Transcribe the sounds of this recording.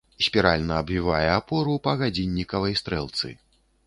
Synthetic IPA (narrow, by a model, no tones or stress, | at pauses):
sʲpʲiɾalʲnɐːbvʲivajɛapɔɾupɐɣad͡zʲinʲːikɐvɐjst̪ɾɛlˠt̪sɨ̰